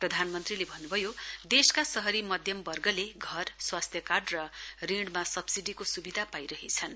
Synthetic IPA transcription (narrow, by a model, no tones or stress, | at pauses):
prʌd̪ʱanmʌnt̪rilebʱʌnːubʱʌjod̪eskasʌɦʌɾimʌd̪ʱjʌmbʌrɡʌleɡʱʌrswast̪ʰjʌkarɖrʌriɽmasʌbsiɖikosubid̪ʱapajɾʌɦit͡sʰʌn